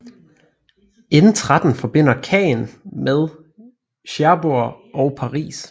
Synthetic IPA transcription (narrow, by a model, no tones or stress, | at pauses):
enn̩t͡sʰʁad̥n̩fɒ̽b̥e̝n̰ɐkʰɛ̰ːnmeð̞ˠ | ɕæɐbuɐ | ɒʊpʰɑ̈ʁḭːs